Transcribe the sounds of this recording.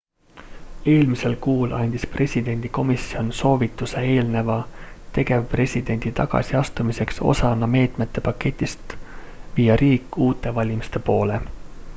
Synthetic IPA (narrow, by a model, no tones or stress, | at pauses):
e̞ːlmise̞lkuːlʔɑnʲd̪̥ispre̞sʲid̪̥e̞nʲd̪̥iko̞misio̞nso̞ːvit̪ːˑusee̞ːlne̞vɑt̪e̞ɡe̞vpre̞sʲid̪̥e̞nʲd̪̥it̪ɑ̰ɡ̥ɑ̰siɑst̪umise̞kso̞̰sɑnɑme̞ːt̪me̞t̪ːe̞pɑkːe̞t̪ʲːˑist̪ | viːjɑɾʔiːkːˑuːt̪ːˑe̞vɑlʲimist̪e̞po̞ːle̞